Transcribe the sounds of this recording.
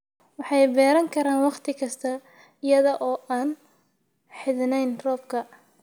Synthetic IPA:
wɑħɑjbɛːɾɐŋkʰɐɾaːnwɑqt̪ʰɪkʰɐst̪ʰɐ | ɪjɐðɐʔɔːaːn | ħɪðnɛjnrɔːb̚kʰɐ

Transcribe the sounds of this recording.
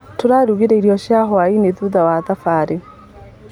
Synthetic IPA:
toɾaɾuɣiɾɛiɾjɔʃjaɦwaineðuðawaðafaːɾe

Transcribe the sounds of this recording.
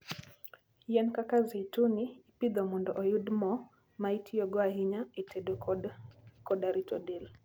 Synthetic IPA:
jɛnkakaziituniːpid̪ɔmundɔʔɔjudmɔ | maitijɔɡɔaɦiɲaitɛdɔ | kɔɗaɾitɔdil

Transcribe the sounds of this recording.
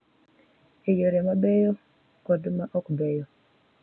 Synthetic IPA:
ejoɾɛmabɛjɔ | kɔdʊmaʔɔkbɛjɔ

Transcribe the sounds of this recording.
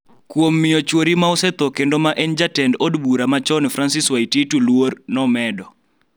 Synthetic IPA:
kwomːɪjot͡ʃwoɾimaɔsɛt̪ɔkendomaʔɛnd͡ʒatɛndodbuɾamat͡ʃɔnfɾansiswaititulwornɔmɛdɔ

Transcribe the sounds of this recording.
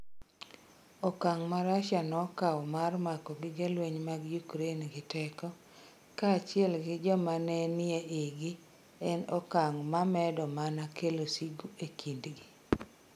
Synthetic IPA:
ɔkaŋmaɾaʃanɔkawmarmakɔɡɪɡelweɲmaɡjukɾenɡɪtɛkɔ | kat͡ʃɪɛlɡɪd͡ʒɔmanɛnɪɛeɡɪ | ɛnɔkaŋmamɛdɔmanakʰelosiɡuekʰindɡɪ

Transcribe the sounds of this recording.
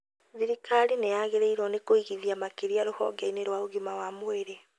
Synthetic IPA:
ðiɾikʰaɾinejaɣeɾeiɾɔnekoiɣiðiamakeɾiaɾohɔ̰ɡaineɾwaoɣimawamoeɾe

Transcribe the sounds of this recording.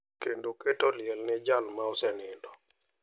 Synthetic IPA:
kendoketɔlɪɛlnɪd͡ʒalmaɔsɛnɪndɔ

